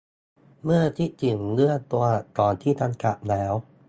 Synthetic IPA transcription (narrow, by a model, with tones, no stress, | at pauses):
mɯ˥˩ɐt̪ʰi˥t͡ɕi˨˩ŋlɯ˥˩ət̪u˧ɐt̪ɔː˨˩nt̪ʰiː˥˩t̪ʰa˧ŋka˨˩p̚lɛː˦˥w